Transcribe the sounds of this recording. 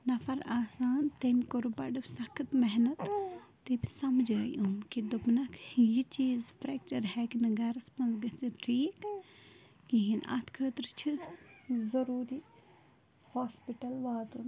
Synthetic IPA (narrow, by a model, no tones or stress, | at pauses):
nɐfʰɐɾaːsaːnt̪emikoɾubɐɖɨsɐkʰɨt̪mɛɦnɐt̪ː | ebisɐmd͡ʒɐjʔumkid̪ubnɐkʰjit͡ʃiːzfɾɛk̚t͡ʃɐɾɦɛkinɐɡɐɾɐspɐnzɡɐt͡siʈʰiːk | ɡiɦinɐ̰t̪ʰkʰəːt̪ɾɨt͡ʃʰi | zɐɾuːɾi | haːspiʈɐlʋaːd̪un